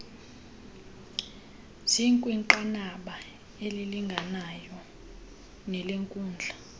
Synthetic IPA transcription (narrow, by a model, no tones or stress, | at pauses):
ziŋkʼwiŋǃanaɓa | eliliŋɡʱanajɔ | nɛleŋkʼuːnd͡ɮʱa